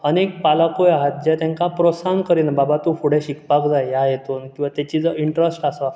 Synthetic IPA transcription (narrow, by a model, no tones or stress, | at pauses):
ənek̚palakojaɦat̪̚d͡ʑɛt̪ãŋkapɾosankəɾinbabat̪ũfuɽ̤eɕikpakd͡zajjajet̪onkĩw̃ʋat̪ɛt͡ɕid͡zəiɳʈɾəsʈasa